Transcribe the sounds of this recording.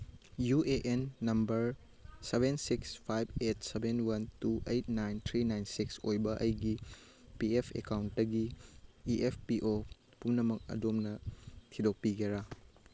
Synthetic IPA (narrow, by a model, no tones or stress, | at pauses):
jueʔenːɐmbɐɾ | sebʱensikspʰajb̚ʱet̚sebenwɐntuʔejt̚najnt̪ʰɾinajnsiksojbɐʔɐjɡi | piepʰḛkawntdɐɡiiʔepʰpiʔo | pumnɐmɐk̚ɐ̰domnɐtʰidok̚piɡeɾa